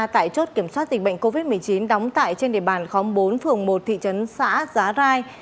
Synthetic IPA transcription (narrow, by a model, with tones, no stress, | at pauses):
t̪a̰ː˧˨jt͡ɕo˦˥t̚ki˧˩əmswa˦˥t̚zi̟˨˩ɓə̰˧˨ŋko˧vi˦˥t̚mɨ˨˩əjt͡ɕi˨˦nɗɔ˨˦wŋ͡mt̪a̰ː˧˨jt͡ɕe˧nɗḭ˧əɓaː˨˩nxɔ˨˦mɓo˨˦nfɨ˨˩əŋmo˨˩t̚t̪ʰḭ˧˨t͡ɕə˨˦nsa̰ː˧˥zaː˨˦zaː˧j